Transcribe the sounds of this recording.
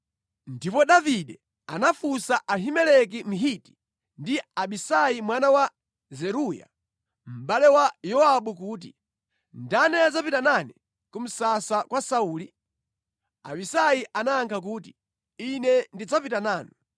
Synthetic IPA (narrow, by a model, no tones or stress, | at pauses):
ndipɔɗaviɗɛ | anafusaʔaɦimɛlɛk̬im̩ɦiti̥ | ndiaɓisajimwanawa | zɛɾuja̰ | m̩ɓalɛwajɔaɓukuːt̬ḭ | ndanɛad͡zapitanani | kum̩sasakwasauːli | a̰ɓisajiʔanaːŋkʰak̬uːti̥ | inɛndid͡zapitanaːni